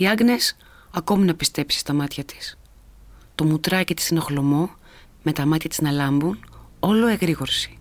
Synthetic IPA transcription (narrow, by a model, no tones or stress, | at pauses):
iɐɡne̞s | ɐko̞minɐpist̪e̞psi̥st̪ɐmɐt̪çɐt̪i̥s | t̪o̞mut̪ɾɐcit̪i̥sineoxlo̞mo̞ | me̞t̪ɐmɐt̪çɐt̪iznɐlɐmbuno̞lo̞eɣɾiɣo̞ɾsi̥